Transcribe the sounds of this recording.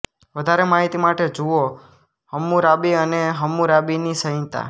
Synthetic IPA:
ʋəd̪ʱaɾemaɦit̪imaʈed͡ʒuo | həmːuɾabiəneɦəmːuɾabinisəɦĩnt̪a̰

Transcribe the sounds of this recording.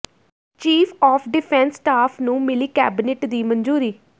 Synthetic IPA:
t͡ʃiːpʰɔːpʰɖɪpʰɛ̃nsːʈaːpʰnũːmɪliːkɛ̰ːbɪneʈd̪iːmənd͡ʒuːɾiː

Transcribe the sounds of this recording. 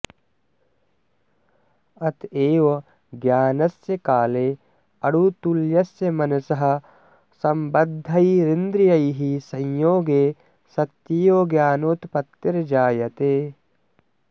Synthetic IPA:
ɐt̪eːʋɐ | ɡjaːnɐsjɐkaːleː | ɐɽut̪uljɐsjɐmɐnɐsɐɦɐ̆ | sɐmbɐd̪ʱːɐjɾind̪ɾijɐjɦisɐ̃jjoːɡeː | sɐt̪jijoːɡjaːnoːt̪pɐt̪ːiɾd͡ʒaːjɐt̪eː

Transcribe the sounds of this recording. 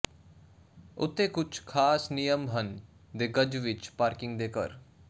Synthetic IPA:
ʊ̰t̪ːẽːkʊt͡ʃʰkʰaːsnɪjəmɦən | d̪eːɡəd͡ʒʋɪt͡ʃpaːɾkɪ̃ŋɡd̪eːkə̰ɾ

